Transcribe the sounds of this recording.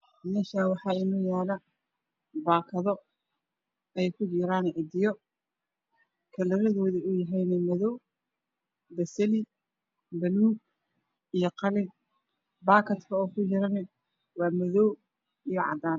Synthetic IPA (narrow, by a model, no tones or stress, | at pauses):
mɛːʃaːwɑħɑːɪnɔːjaːlɐ | baːkʰɐðɔ | ɛjkʰʊd͡ʒɪɾaːnʕɪd̪ɪjɔ | kʰɐlɐɾɐðɔːðiʊjɐɦɛjnɛmɐðɔw | bɐsɐlɪ | bɐluːɡ | ijɞqɑlɪn | baːkʰɐt̪kʰɐɔːkʰʊt͡ʃɪɾɐnɛ | wɑːmɐðɔw | ijɔʕɑ̰d̪aːn